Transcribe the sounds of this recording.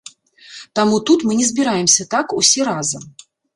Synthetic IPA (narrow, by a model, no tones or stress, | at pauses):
t̪amut̪ut̪mɨnʲɛzbʲɪɾajɪmsʲɐt̪akusʲɛɾazɐ